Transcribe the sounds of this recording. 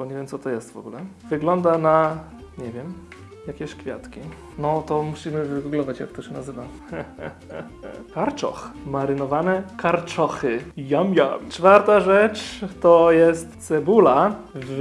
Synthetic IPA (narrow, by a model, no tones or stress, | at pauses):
bɔɲɛvʲjɛmsɔt̪ɔjɛst̪vɔ̰ɡulɛvɘɡlɔnd̪ana | ɲɛvʲjɛm | jakʲɛɕkfʲja̰t̪kʲi | nɔt̪ɔmuɕimɘvɘɡuɡlɔvat͡ɕja̰k̚t̪ɔɕɛnazɘvam | kaɾt͡ʂɔ̰xmaɾɘnɔvanɛkaɾt͡ʂɔxɘjamja̰mt͡ʂfaɾt̪aʐɛt͡ʂt̪ɔjɛst̪sɛbula | v